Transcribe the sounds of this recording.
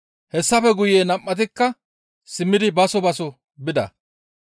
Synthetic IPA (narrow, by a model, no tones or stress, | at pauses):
hɛsːɐfɛɡʊjeːnɐmʼːɐt̪̬ɪkːɐ | sɪmːɪd̪ɪbɐsɔbɐsɔ | bɪd̪ɐ̰